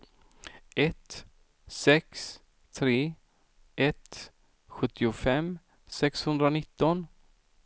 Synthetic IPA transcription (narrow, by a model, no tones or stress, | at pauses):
ɛt̪ | sɛks | t̪ʰɾeː | ʔɛt̪ | ɧɵt̪ːɪʊfɛmː | sɛkshɵnd̪ɾanɪt̪ːɔn